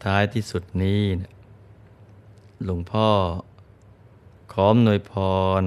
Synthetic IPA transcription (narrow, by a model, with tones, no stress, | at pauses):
t̪ʰːaː˦˥jt̪ʰiː˥˩su˨˩t̪̚niː˦˥ni˧˩ | lo˩˦ŋpʰɔː˥˩ | kʰɔː˦˥mnu˧˩əjpʰɔː˧n